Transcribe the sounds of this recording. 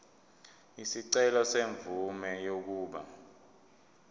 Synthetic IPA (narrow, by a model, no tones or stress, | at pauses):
isiǀɛlɔseɱbvumɛjok̬uːɓa̰